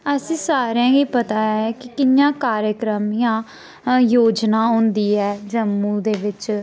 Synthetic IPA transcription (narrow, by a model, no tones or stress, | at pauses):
əsĩːsaːɾjãːɡiːpət̪aːɛːkɪkɪjãːkaːɾjəkɾəmɪjãː | joːd͡ʒnaːɦʊ̃ːnd̪iːɛːd͡ʒəmːũːd̪eːʋɪt͡ʃ